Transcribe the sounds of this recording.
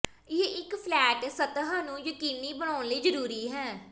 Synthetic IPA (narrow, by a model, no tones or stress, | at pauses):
jeːʔɪkpʰlɛːʈsət̪ɦaːnũːjəkiːniːbənaːnləiːd͡ʒəɾuːɾiːɦɛ̃ː